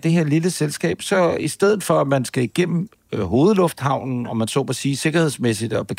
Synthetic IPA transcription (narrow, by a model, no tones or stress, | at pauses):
d̥e̝ɦeɐ̰liləselsɡ̥ɛ̰ːb̥sɒ̽isd̥eð̞̰̩ˠfɒ̽æmænsɡ̥æiɡ̥en̰m̩ | ɦo̝ːð̞̩ˠlɔ̽fd̥hɑ̈ʊ̰nn̩ɒ̽mænsɔ̰ːb̥ɒsiːse̝ɡ̥ɐhe̝ð̞̰ˠsmesid̥ɒb̥e̝̥